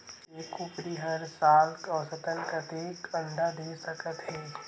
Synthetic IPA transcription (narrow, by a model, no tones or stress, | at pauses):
eːkʊpɾiɦəɾsaːlkɔːsət̪ənkət̪eːkə̃ɳɖ̪ad̪eːsəkət̪ɦɛː